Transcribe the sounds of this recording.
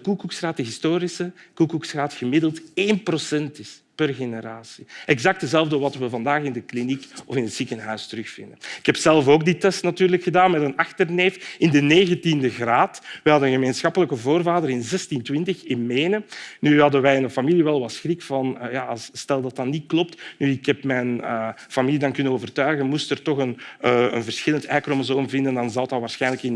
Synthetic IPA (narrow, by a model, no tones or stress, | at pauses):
dəkukuksraːtəɦistoːɾisəkukuksxraːtxəmɪdəlˠteːnprosɛntɪspərɣeneɾaːsi̥ɛɣzɑk̚tdəzɛlˠvdəʋɑtʋəvɑndaːxɪndəklinikɔfɪnətsikənɦœɥstəɾɵxfɪ̰ndənɪkhɛpsɛlˠfoːɡ̚ditɛstnatyːrləkxədaːnmɛtənɑxtərneːfɪndəneːɣəntindəɣraːtʋɛɦɑdənɣəmeːnsxɑpələkəvoːrvaːdəɾɪnzɛstintwɪntəxɪnmeːnənyɦɑdənʋɛjnəfɑmiliʋɛlˠʋɑtsxrikfɑnjaːsstɛlˠdɑtɑtnitklɔp̚tnyɪkɦɛpmɛnəfɑmilidɑnkʏnənoːvərtœɥɣənmustərtɔxənə̰nvərsxɪləntʰɛjkromozoːmvɪndəndɑnzɑlˠtɑʋaːrsxɛjnləkɪn